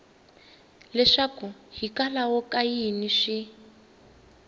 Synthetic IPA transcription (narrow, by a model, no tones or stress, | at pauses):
lɛʂakuɦikalawɔkajiniʂi